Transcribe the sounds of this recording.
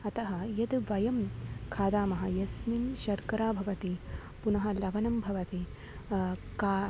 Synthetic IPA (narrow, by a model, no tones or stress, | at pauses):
ɐt̪ɐɦɐjɐd̪ʋɐjɐmkʰaːd̪aːmɐɦɐjɐsninʃɐɾkɐɾaːbʱɐʋɐt̪i | punɐɦɐlɐʋɐnɐmbʱɐʋɐt̪i | ka